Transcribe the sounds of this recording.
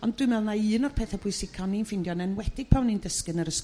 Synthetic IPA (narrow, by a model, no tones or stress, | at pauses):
ɔnd̥wɨmɛlˠnaɨːnɔrpʰɛːθɛb̥ʊɨsɪkʰɔninfɪndjɔnɛnwɛd̥ɪɡpʰawnindəskɨnəɾəs